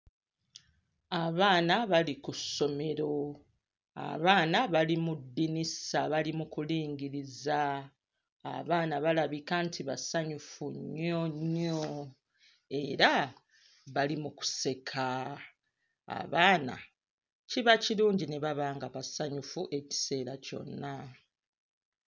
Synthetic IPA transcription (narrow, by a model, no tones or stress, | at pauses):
aβaːnaβalikusːo̞me̞ɾo̞ | a̰βaːnaβalimudːinisaβalimukuliːŋɟiɾiza̰ː | βaːnaβalaβikantʰiβasaɲufuɲːoɲo | e̞ɾa | βalimuku̥se̞kʰa | a̰βaːna̰ | ciβaciɾuːɲɟine̞βaβaːŋɡaβasaɲufuʔe̞ci̥se̞ːɾaco̞̰nːa